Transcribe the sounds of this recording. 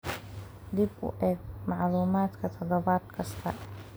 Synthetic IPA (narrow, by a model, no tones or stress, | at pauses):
d̪ibʊ̰ʔɛːɡmɑʕluːmaːd̪kʰɐt̪ʰɔðɐβaːd̪kʰɐst̪ʰɐ